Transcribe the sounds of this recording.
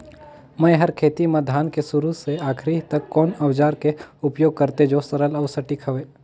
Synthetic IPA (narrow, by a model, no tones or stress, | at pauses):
mə̃jɦəɾkʰeːt̪imẽd̪ʱaːnkesʊɾuseaːkʰɾit̪ɐkːɔːnɐʋd͡ʒaːɾkeʊpjoːɡ̚kəɾt̪ed͡ʒoːsɐɾəlɐːɾsɐʈikʰɐʋeː